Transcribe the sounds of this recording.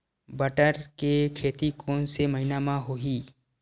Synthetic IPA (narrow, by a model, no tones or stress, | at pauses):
bəʈəɾkekʰeːt̪ikʰoːnseməɦɪnamãɦoːɦiː